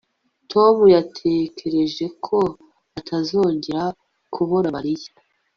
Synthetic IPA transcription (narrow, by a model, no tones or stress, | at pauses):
tʰo̞mujatʰe̞kʰe̞ɾe̞ʒe̞kʰo̞ | atʰazo̞ːɲɟeɾa | kʰuβoɾamaɾija